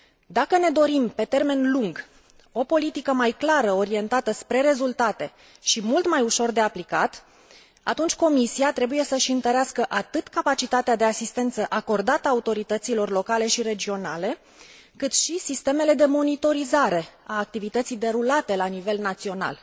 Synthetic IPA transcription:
d̪akəne̞d̪o̞ɾimpe̞t̪e̞rme̞nluŋɡ | o̞po̞lit̪ikəmajklaɾəo̞ɾie̞nt̪at̪əspɾe̞ɾe̞zult̪at̪e̞ | ʃimult̪majuʃo̞rd̪e̞aplikat̪ | a̰t̪unt͡ʃʲko̞misiat̪ɾe̞buje̞səʃiɨnt̪əɾeaskəʔat̪ɨt̪kapat͡ʃit̪at̪ead̪e̞asist̪e̞nt̪səʔako̞rd̪at̪əaut̪o̞ɾit̪ət̪silo̞rlo̞kale̞ʃiɾe̞d͡ʒio̞nale̞ | kɨt̪ʃisist̪e̞me̞le̞d̪e̞mo̞nit̪o̞ɾizaɾe̞aːk̚t̪ivit̪ət̪sijd̪e̞ɾulat̪e̞lanive̞lnat̪sio̞na̰l

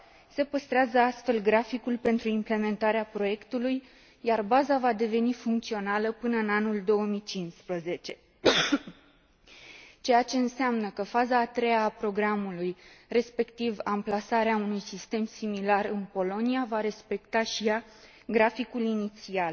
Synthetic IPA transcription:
se̞pəst̪ɾeazəast̪fe̞lɡɾafikulpe̞nt̪ɾuimple̞me̞nt̪aɾeapɾo̞je̞kt̪uluj | jarbazavad̪e̞ve̞nifuŋkt̪sio̞naləpɨnəɨnanuld̪o̞wəmit͡ʃinspɾəze̞t͡ʃe̞ | t͡ʃe̞jat͡ʃe̞ɨnseamnəkəfazaːt̪ɾe̞jaːpɾo̞ɡɾamulujre̞spe̞kt̪ivamplasaɾeaunujsist̪e̞msimilarɨnpo̞lo̞niavaɾe̞spe̞kt̪aʃija | ɡɾafikulinit̪sial

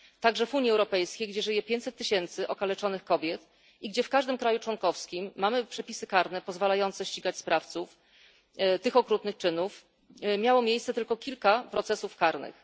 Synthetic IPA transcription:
t̪aɡʐɛvuɲjiɛwɾɔpɛjskʲejɡd͡ʑɛʐɘjɛpʲjeɲt͡ɕ̪sɛt̪ːɘɕɛnt̪sɘʔɔkalɛt͡ʂɔnɘxkɔbʲjɛt̪ | iɡd͡ʑɛfkaʐd̪ɘmkɾajut͡ʂwɔnkɔfskʲimːamɘpʂɛpʲisɘkaɾnɛpɔzvalajɔnt̪sɛɕt͡ɕiɡat͡ɕspɾaft̪suf | t̪ɘxɔkɾut̪nɘxt͡ʂɘnuf | mʲjawɔmʲjejsɛt̪ɘlkɔkʲilkapɾɔt̪sɛsufkaɾnɘ̰x

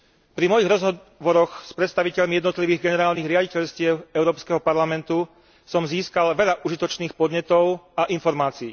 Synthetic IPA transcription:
pɾimɔjiɣɾɔzɦɔ | ʋɔɾɔxspɾɛt̪st̪aʋicɛʎmijɛd̪nɔt̪liʋiːɣɡɛnɛɾaːlniɣɾɪaɟicɛʎscɪɛʊɛʊɾɔːpskɛɦɔpaɾlamɛnt̪u | sɔmziːskalʋɛʎaʔuʒit̪ɔt͡ʃniːxpɔd̪ɲɛt̪ɔʊaʔinfɔɾmaːt͡siː

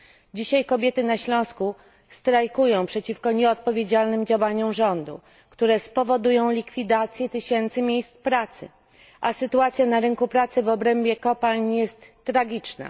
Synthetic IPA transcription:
d͡ʑiɕajkɔbʲjɛt̪ɘnaɕlɔ̃w̃sku | st̪ɾajkujɔ̃w̃pʂɛt͡ɕifkɔɲɛɔt̪̚pɔvʲjed͡ʑalnɘmd͡ʑawaɲuʐɔnd̪ṵ | kt̪uɾɛspɔvɔd̪ujɔ̃w̃lʲikfʲid̪at̪sʲjɛt̪ɘɕɛnt̪sɘmʲjejst̪spɾat̪sɘ̰ | ʔasɘt̪uat̪sʲjanaɾɘŋkupɾat̪sɘvɔbɾɛmbʲjɛkɔpalɲjɛst̪ː | ɾaɡʲit͡ʂna̰

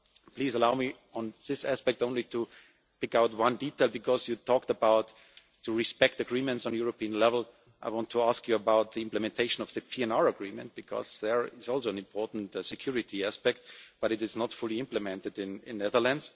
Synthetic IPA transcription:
pl̥iːzəlaʊmi | ɔ̃nðɪsæspɛk̚tõʊ̃nlitu | pɪkaʊtwãnditeɪlˠbɨkʰɔzjutʰɔk̚təbaʊt̪ | tuɹɪspɛk̚tɨɡɹĩmɨ̃ntsn̩jʊɹopiə̃nlɛvəl̩ˠ | ʔaɪwɑ̃ntʰːuaskjuəbaʊt̪̚ðiɪ̃mpləmɛ̃ntʰeɪʃə̃nɔvðɨpʰiɛ̃nɑɹəɡɹĩmɨ̃nt̚b̥ɨkʰɔ̰zðə˞ɪzɔlˠsoʊɛ̃nɪ̃mpʰɔɹtn̩tsɨkʰj̥ʊɹɪtʰiæspɛk̚t̚b̥ʌɾɨɾɨznɔtfʊlˠiɪ̃mplɨmɛ̃ntɨdɪ̃nɪ̰̃nːɛðə˞lə̃nds

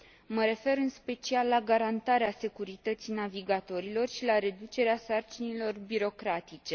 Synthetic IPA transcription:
məɾe̞fe̞ɾɨnspe̞t͡ʃialːaɡaɾant̪aɾease̞kuɾit̪ət̪sinaviɡat̪o̞ɾilo̞rʃilaɾe̞d̪ut͡ʃe̞ɾeasart͡ʃinilo̞rbiɾo̞kɾat̪it͡ʃe̞

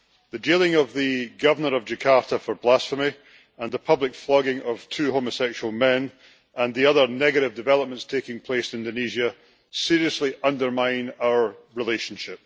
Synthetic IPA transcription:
ðɨd͡ʒelˠɪ̃ŋəvðɨɡʌvə˞nə˞əvd͡ʒɨkʰaɹʔəfə˞blˠasfəmi | ə̃nðəpʰʌblˠɪkflˠɔɡɪ̃ŋʔəv̥tʰʉːhoməsɛkʃʉəlˠmɛ̃n | ə̃nðiʌðə˞nɛɡɨɾɪvdɪvɛlˠəp̚mə̃ntstʰekɪ̃ŋpʰl̥esɪ̃ndɨniʒiə | siɹiəslˠiʔʌ̃ndə˞mãɪ̃naʊə˞ɹɪlˠeʃə̃nʃɪp̚

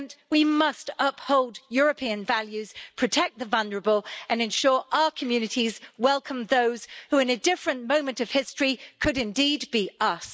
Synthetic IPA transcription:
nʔwimʌstʌphoʊlˠdjɔɹəpʰiɨ̃nvaljʉz̥pʰɹ̥ɨtʰɛk̚ðəvʌ̃lˠnə˞əbəlˠɨ̃nɨ̃nʃɔɹʔaʊəkʰəmjʉnɨtizwɛlˠkʰə̃mðoʊz̥hʉɨ̃nɨdɪfɹɨ̃nmõʊ̃mɨ̃ntʌv̥hɪstɹ̥ikʰɨɾɨ̃ndid̚biʌs

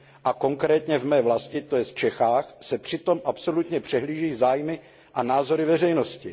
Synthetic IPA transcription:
ʔako̞ŋkɾɛːt̪ɲɛvmɛːvlascɪt̪ojɛst͡ʃɛxaːxsɛpr̥ɪt̪o̞mʔapso̞lut̪ɲɛpr̝̥ɛɦliːʒiːzaːjmɪ | ʔanaːzo̞ɾɪvɛrɛjnoscɪ

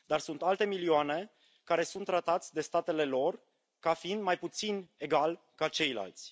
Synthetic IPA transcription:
d̪arsunt̪alt̪e̞milioane̞ | kaɾe̞sunt̪ːɾat̪at̪sʲd̪e̞st̪at̪e̞le̞lo̞r | kafiind̪majput̪sine̞ɡal | kat͡ʃe̞jla̰lt̪sʲ

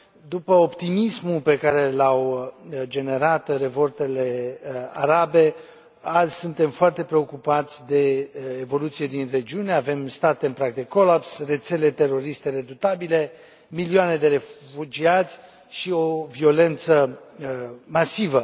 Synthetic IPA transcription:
d̪upəopt̪imismupe̞kaɾe̞lawd͡ʒe̞ne̞ɾat̪re̞vo̞rt̪e̞le̞aɾabe̞ | alzʲsunt̪e̞mfoart̪e̞pɾe̞o̞kupat̪sʲd̪e̞evo̞lut̪sije̞d̪inre̞d͡ʒiune̞ave̞mst̪at̪eɨnpɾak̚d̪eko̞lapsre̞t̪se̞le̞t̪e̞ro̞ɾist̪eɾe̞d̪ut̪abile̞ | milioane̞d̪e̞ɾe̞fud͡ʒiat̪sʲ | ʃio̞vio̞le̞nt̪sə | masivə

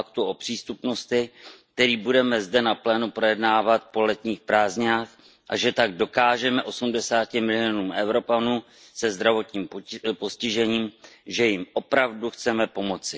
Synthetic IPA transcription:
akt̪uʔopr̝̥iːst̪upno̞st̪ɪkk̚t̪ɛɾiːbudɛmɛzdɛnaplɛːnupɾo̞jɛdnaːvat̪̚po̞lɛt̪ɲiːxpɾaːzɲaːx | ʔaʒɛt̪aɡ̚do̞kaːʒɛmɛʔo̞sumdɛsaːcɪmɪlɪonuːmɛwɾo̞panuː | sɛzd̪ɾavo̞t̪ɲiːmpo̞scɪʒɛɲiːmʒɛjɪmʔo̞pɾavduxt͡sɛmɛpo̞mo̞t͡sɪ

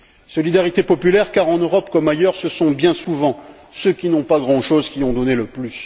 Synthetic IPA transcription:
sɔlid̪aʁit̪epɔpylɛʁkaʁɑ̃nøʁɔpkɔmajœʁsəsɔ̃bjɛ̃suvɑ̃ | søkʲinɔ̃paɡʁɑ̃ʃozkʲiɔ̃d̪ɔneləplys

